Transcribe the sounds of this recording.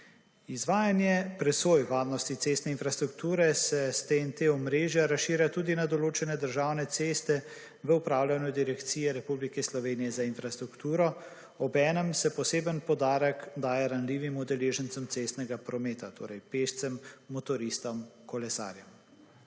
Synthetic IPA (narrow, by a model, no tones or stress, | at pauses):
izʋaːjanjɛpɾɛsoːjʋaːɾnɔst̪it̪seːst̪nɛinfɾast̪ɾukt̪uːɾɛsɛst̪eɛnt̪eɔmɾeːʒjaɾasʃiːɾjat̪uːd̪inad̪ɔloːt͡ʃɛnɛd̪əɾʒaːwnɛt̪seːst̪ɛ | ʋəupɾaːwlʲanjud̪iɾɛkt̪siːjɛɾɛpublikɛslɔʋeːnijɛzainfɾast̪ɾukt̪uːɾɔ | ɔbɛːnəmsɛpɔseːbənpɔd̪aːɾəkd̪aːjɛɾanliːʋimud̪ɛleːʒənt̪səmt̪sest̪nɛɡapɾɔmeːt̪at̪ʰo̰ːɾɛjpeːʃt̪sɛmːɔt̪ɔɾist̪ɔmkɔlɛsa̰ːɾjɛm